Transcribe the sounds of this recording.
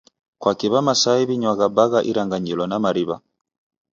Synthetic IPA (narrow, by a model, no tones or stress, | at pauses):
kwakiβamasaiβiɲwaɣabaɣaʔiɾaŋɡaɲilɔnamaɾiβa̰